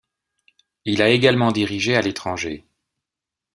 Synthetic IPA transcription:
ilaeɡalmɑ̃d̪iʁiʒealet̪χɑ̃ʒe

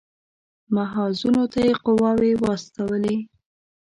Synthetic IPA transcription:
maɦɑzunot̪ajeqʊwɑwewɑst̪awəle

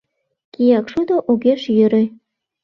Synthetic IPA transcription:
kʲijɑkʃud̪oʔuɣʲeʃjɘ̆ɾɘ̆

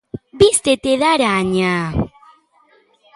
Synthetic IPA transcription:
bist̪et̪eðaɾaɲa

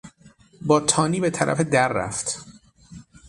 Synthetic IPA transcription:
bɒːt̪ʰɒːniːbet̪ʰæɾʔæ̰fe̞d̪æɾːæ̰ft̪

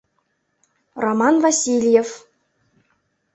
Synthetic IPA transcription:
romɑnvɑsʲilʲjef

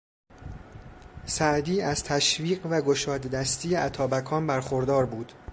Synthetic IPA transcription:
sæʔd̪iːæzt̪ʰæʃviːɢvæɡoʃɒːd̪d̪æst̪iːjeʔæt̪ʰɒːbækʰɒːnbæɾxoɾd̪ɒːɾbuːd̪̥

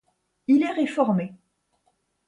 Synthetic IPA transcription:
ilɛʁefɔʁme

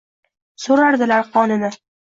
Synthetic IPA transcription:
soɾaɾd̪ɪlaɾqʰɒnɪnɪ

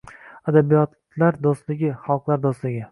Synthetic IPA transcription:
ad̪abijɒt̪ | laɾd̪ost̪lɪɡʲɪχalˠqlˠaɾd̪ost̪lɪɡʲɪ

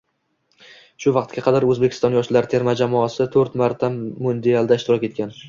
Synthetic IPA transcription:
ʃʊvɑqt̪ɡʲaqʰɑd̪aɾɵzbekʰʲɪ̥st̪ɒnjɒʃlaɾt̪ʰe̞ɾmad͡ʒamɒasɪt̪ʰɵɾt̪maɾt̪ʰamːʊnd̪ealˠd̪aɪʃt̪ɪɾɒkʲe̞t̪̚kʲʰan

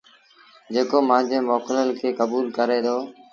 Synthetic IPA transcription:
d͡ʑeːkoːmãːd͡ʑeːmoːkləlkʰeːkəbuːlkəɾeːd̪oː

